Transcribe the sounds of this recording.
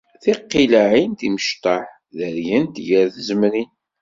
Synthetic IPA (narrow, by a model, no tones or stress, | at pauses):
θiqːilaʕint̪iməʃt̪ɑħ | ðəɾjənt̪ʝəɾθəzmɾin